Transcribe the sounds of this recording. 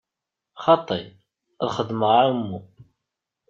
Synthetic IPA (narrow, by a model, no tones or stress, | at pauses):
χɑt̪ˤːḭ | æðχəd̪ːməʁmːu